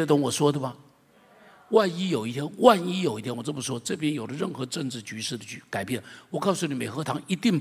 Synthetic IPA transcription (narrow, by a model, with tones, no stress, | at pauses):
ə˧˩t̪ə˧˥ŋwɔ˨˩ʂwɔ˥d̪ə˨bɐ˨ | wa˥˩ni˥jo˨˩ʊi˥˩t̪ʰjɛ˥nwa˥˩ni˥jo˨˩ʊi˥˩t̪ʰjɛ˥wʈ͡ʂɤ˥˩mə˨˩ʂwɔ˥ʈ͡ʂɤ˥˩pjɛ˥njo˨˩ʊlə˦ɻə˥˩nxɤ˧˥ʈ͡ʂɤ˥˧ŋʈ͡ʂɻ̩˥˩t͡ɕy˧˥ʂɻ̩˥˩d̪ə˨˩t͡ɕʰy˥˩ka˨˩ɪpjɛ˥˩nwɔ˨˩kɑ˥˧ʊsu˥˩ni˨˥me˨˩ɪxɤ˧˥t̪ʰɑ˧˥ŋi˧˥t̪i˥˩ŋ